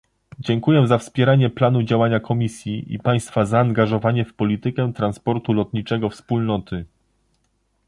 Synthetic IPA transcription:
d͡ʑɛŋkujɛzafspʲjɛɾaɲɛplanud͡ʑawaɲakʰɔmʲisʲjiʔḭpaj̃st̪fazaːŋɡaʐɔvaɲɛfpɔlʲit̪ɘkɛt̪ɾanspɔɾt̪ulɔt̪ɲit͡ʂɛɡɔfspulnɔt̪ɘ

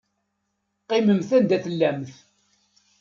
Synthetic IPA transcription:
qːɪməmθænd̪æθəlːæmθ

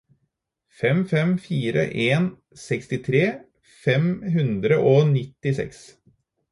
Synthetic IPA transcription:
fɛmfɛmfiːɾə̰ʔeːn | sɛkst̪ɪt̪ʰɾeː | fɛmɦʉnd̪ɾəʔoːnɪt̪ːɪsɛ̰ks

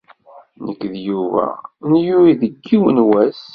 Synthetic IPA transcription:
nəkːðjuvæ̰njuɾiðəɡːiwənwæs

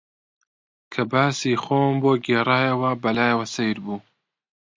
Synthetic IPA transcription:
kʰɐbaːsiːxoːmboːɡeːrˤaːjɐwɐbɐlaːjɐwɐsejɾbuː

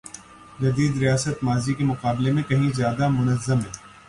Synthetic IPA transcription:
d͡ʒɐd̪iːd̪ɾijaːsət̪maːzikemʊqaːblemẽkɐɦĩzjaːd̪amʊnəzːəmɦɛː

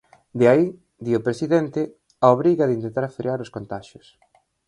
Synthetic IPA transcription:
d̪eai | d̪iopɾesiðent̪ɪ | aoβɾiɣɐðɪint̪ent̪aɾfɾḭaɾʊskont̪aʃʊs

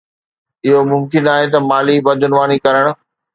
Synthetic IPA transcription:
ɪɦomʊmkɪnaːɦet̪ɐmaːlibɐd̪ʱʊnʋaːnikɐɾəɽ̃ʊ̆

